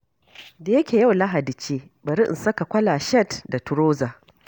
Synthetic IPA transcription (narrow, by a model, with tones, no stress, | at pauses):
da˨jɐ˦kʲeː˨ja˦˨wla˦ɦa˨di˨t͡ʃeː˦ | bɐ˨ɾi˦ʔɪ̰˨nsɐ˦ka˨kʷɐ˦laː˨ʃɛ˦˨tda˨tʊ˨ɾoː˦zaː˨